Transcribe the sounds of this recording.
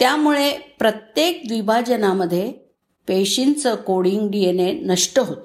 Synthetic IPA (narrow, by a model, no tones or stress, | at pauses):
t̪jamuɭepɾət̪jek̚d̪ʋibʱad͡ʑənaməd̪ʱːje | peɕint͡səkoɽiŋɡɖienenəʂʈəɦot̪